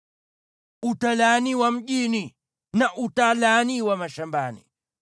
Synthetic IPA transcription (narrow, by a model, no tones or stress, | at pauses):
utalaniwam̩ʄini | naʔutalaniwamaʃambanḭ